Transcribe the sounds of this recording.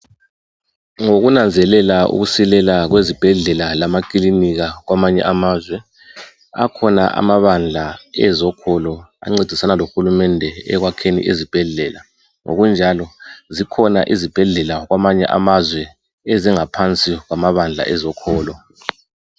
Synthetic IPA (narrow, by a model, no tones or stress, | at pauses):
ŋoɣunand͡zʱɛlɛlaṵɣusilɛlaɣwezib̥ʱɛɮɛlalamak̬ʼiliniɣaɣwamaɲɛ̰ʔamaːzwɛ | a̰kʰɔna̰ʔa̰maβand͡ɮʱaɛzɔkʰɔlɔa̰ŋ͡ǀed̥ʱisanaloxulumɛndʱɛɛ̰ɣwakʰenḭʔezib̥ʱɛɮɛla | ŋo̰ɣund͡ʒʱalɔzikʰɔna̰ʔizib̥ʱɛɮɛlaɣwamaɲɛ̰ʔa̰mazwɛ | ɛziŋapʰant͡sʼiɣwamaβand͡ɮʱa̰ʔɛzɔkʰɔːlɔ